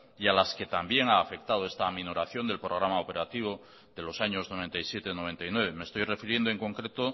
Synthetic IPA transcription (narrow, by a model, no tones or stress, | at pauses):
ialaske̞t̪ambje̞ŋaːfe̞kt̪að̞oest̪amẽno̞ɾaθjo̞nd̪e̞lpɾo̞ɣ̞ɾamaope̞ɾat̪iβ̞o | ðe̞lo̞saɲo̞zno̞β̞e̞nt̪ajsje̞t̪enoe̞nt̪ajnwe̞β̞e̞me̞st̪o̞jre̞fiɾjend̪oeŋkõ̞ŋkɾe̞t̪o̞